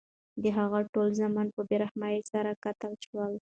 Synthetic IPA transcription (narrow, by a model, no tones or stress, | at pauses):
d̪əɦaɣaʈolzamanpəbeɾahmajesaɾakat̪əlʃwəl